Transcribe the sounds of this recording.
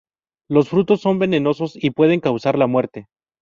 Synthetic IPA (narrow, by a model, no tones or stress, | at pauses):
lo̞sfɾut̪o̞sːo̞mbe̞ne̞no̞so̞sipwe̞ðe̞ŋkawsaɾlamwe̞ɾt̪e̞